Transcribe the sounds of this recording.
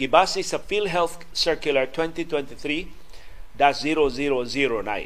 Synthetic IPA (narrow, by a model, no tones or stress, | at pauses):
ɡibasisəfilɦɛlθ | sɛ˞kjulə˞t̪ʰwɛ̃nt̪it̪ʰwɛ̃nt̪iθɾi | d̪asziɾoziɾoziɾonã̰ɪ̃n